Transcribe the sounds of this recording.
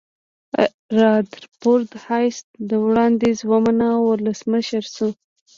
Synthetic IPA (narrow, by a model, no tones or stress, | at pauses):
ɾɑd̪ɾpoɾd̪hɑjsd̪əwɽɑnd̪ezwamanawʊləsməʃəɾsu